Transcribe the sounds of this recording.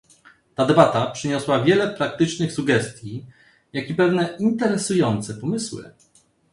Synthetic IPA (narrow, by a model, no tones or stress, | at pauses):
t̪ad̪ɛbat̪apʂɘɲɔswavʲjɛlɛpɾak̚t̪ɘt͡ʂnɘxsuɡɛst̪ʲji | jakʲipɛvnɛint̪ɛɾɛsujɔnt̪sɛpɔmɘswɘ̰